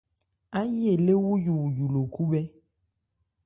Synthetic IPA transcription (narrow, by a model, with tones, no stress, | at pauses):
a˦je˦˨le˦wu˦ju˨wu˨ju˨lo˨ku˦bɛ˦